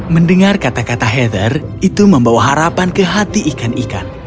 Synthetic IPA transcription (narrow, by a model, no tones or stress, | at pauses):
məndəŋarkat̪akat̪aɦɛd̪ərit̪uməmbawaɦaɾapankəɦat̪iʔːkanika̰n